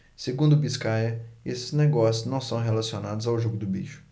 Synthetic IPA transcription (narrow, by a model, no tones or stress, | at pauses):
seɡũd̪ʊbiskajɐesɪ̥zneɡɔsjʊznɐ̃w̃sɐ̃w̃ɦelasionad̪ʊzawʒoɡʊd̪ʊbiʃʊ̥